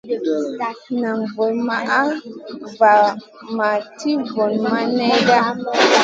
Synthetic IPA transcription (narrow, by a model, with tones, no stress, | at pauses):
na˨ŋvo˨ma˦ʔa˦va˨ | ma˨tʰi˦vɔ˨nma˦nɛ˦da˦